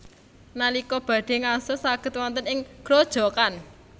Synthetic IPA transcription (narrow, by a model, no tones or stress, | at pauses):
nalikɔb̥ä̤ɖ̥e̤ŋasʊsaɡ̥ə̤t̪̚wɔnt̪ənɪŋɡ̥ɾod̥ʒ̥ɔ̤kan